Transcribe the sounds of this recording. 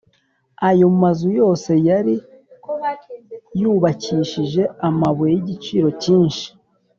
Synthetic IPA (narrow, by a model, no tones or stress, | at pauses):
ajo̞mumazujo̞ːse̞jaɾi | juːβaciːʃiʒe̞amaβwejiɟit͡ʃiːɾo̞ciːnʃi̥